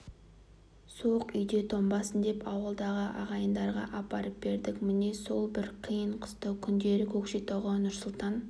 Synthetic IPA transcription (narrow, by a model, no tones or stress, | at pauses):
soqʏjd̪e̞t̪ʰo̞mbɑsənd̪e̞pʰɑwəlˠd̪ɑʁəʔɑʁɑjənd̪ɑɾʁɑ̰ʔɑpɑɾəp̚be̞ɾd̪ɪkmɪne̞so̞lˠbɪɾqʰijəɴqʰə̥st̪əkʲʰʏnd̪e̞ɾɪkʲʰɵkʃet̪oʁənnːʊɾsʊlˠt̪ɑn